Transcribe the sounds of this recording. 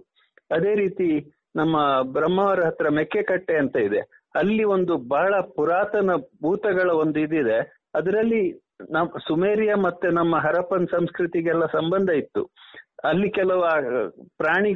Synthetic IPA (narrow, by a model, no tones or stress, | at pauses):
ɐd̪e̞ːɾiːt̪i | nɐmːɐbɾɐmːɐʋɐɾɐɦɐt̪ɾɐmekːekɐʈːeɐnt̪ɐid̪e̞̰ | ɐlːio̞nd̪ubʱaːɭɐpuɾaːt̪ɐnɐbʱuːt̪ɐɡɐɭɐo̞nd̪uid̪id̪e̞ | ɐd̪ɐɾɐlːi | nɐmsumeːɾijɐmɐt̪ːunɐmːɐɦɐɾɐpɐnsɐmskɾit̪iɡɛlːɐsɐmbɐnd̪ʱɐit̪ːṵɐlːikɛlɐʋ | pɾaːɳi